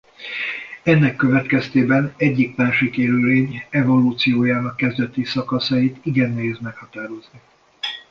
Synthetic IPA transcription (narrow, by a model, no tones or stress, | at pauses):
ɛnːɛkːø̞vɛt̪kɛst̪eːbɛnɛɟːikmaːʃikeːløleːɲɛvo̞luːt̪sijoːjaːnɒkːɛzd̪ɛt̪isɒkɒsɒjit̪iɡɛnːɛɦeːd̪mɛkhɒt̪aːɾo̞zni